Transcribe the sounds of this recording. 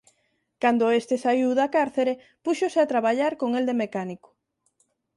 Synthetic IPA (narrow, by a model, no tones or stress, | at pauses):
kand̪oest̪esaiwðakaɾθeɾe | puʃoseat̪ɾaβ̞aʎaɾkoŋeld̪emekaniko̥